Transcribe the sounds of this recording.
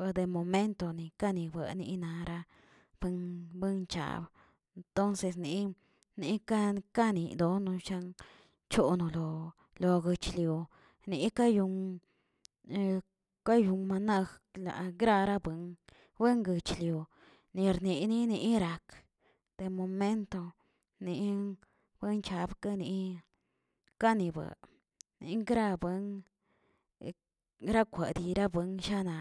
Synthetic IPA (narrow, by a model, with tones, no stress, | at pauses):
e˧d̪e˨mo˨me˦nt̪o˧ni˨ka˦ni˨bə˧˨nḭ˧na˧ɾa˧ | b̥ɨ˦ŋbɨ˦ŋt͡ʃa̰˧˨b | nt̪o˦nse˧sni˧ | ni˧˦ka˦˧ka˦nḭ˨d̪o˧nũ˧ʃa˦ŋ | t͡ʃo˧no˧lo˧ | lo˧ɡɨ˧t͡ʃlju˨ | ni˨˧˦ka˦ju˧ŋ˧ | ka˦ju˧ŋma˧na˧xla̰˨ɡɾa˦˧ɾa˦bɨ˨ŋ | be˦ŋɡɨ˨t͡ʃlju˨ | ni˨ɾni˨ni˦ni˧˦ɾa˨k | d̪̥e˨mo˨me˦nt̪o˧ | ni˨ | b̥e˦nt͡ʃa˧bka˦ni˨˧ | ka˦ni˧ba̰˨ | nḭ˨˧ŋ˦ɡɾa˧be˧˦ŋ | ɾa˦kʷe˨d̪i˧ɾa˦bɨ˧ŋʃa˦na˨